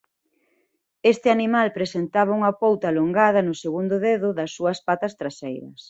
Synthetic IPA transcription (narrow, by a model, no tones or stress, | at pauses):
est̪ɪanimalpɾesent̪aβ̞ɐuŋɐpowt̪aloŋɡaðɐnʊseɣund̪ʊðeðʊðɐsːuɐspat̪ɐst̪ɾasejɾɐ̰s